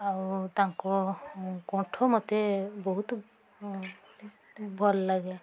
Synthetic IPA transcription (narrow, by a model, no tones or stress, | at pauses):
awt̪aako | kɔ̃ʈʰomɔt̪ebɔɦut̪ | bʱɔlːaɡe